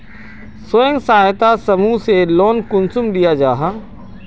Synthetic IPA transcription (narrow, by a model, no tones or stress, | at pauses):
sojə̃ŋɡsaːɦt̪asɐmuseloːnkʊnsʊmd̪ijad͡ʒaːɦaː